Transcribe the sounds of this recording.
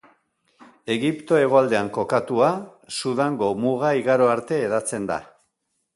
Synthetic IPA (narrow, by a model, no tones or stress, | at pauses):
e̞ɣipt̪o̞e̞ɣ̞o̞ald̪e̞aŋko̞kat̪uasuðaŋɡo̞muɣaiɣaɾo̞aɾt̪e̞ːðat͡se̞nd̪a̰